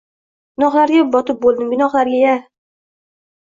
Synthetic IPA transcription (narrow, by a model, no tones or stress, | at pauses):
ɡʲɪnɒχlaɾɡʲabɒt̪ɪp̚bolˠd̪ɪmɡʲɪnɒχlaɾɡʲaja